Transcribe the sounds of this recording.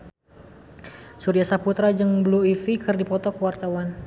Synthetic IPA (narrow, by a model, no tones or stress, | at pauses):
suɾiasaput̪ɾad͡ʒɨŋbluifikɨrdipɔt̪ɔkəwart̪awan